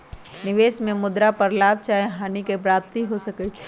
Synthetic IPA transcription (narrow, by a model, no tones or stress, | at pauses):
nɪʋeːsmẽmʊd̪ɾapɐɾlaːb̚t͡ʃaːeɦaːnikepɾaːp̚t̪iɦosɐkə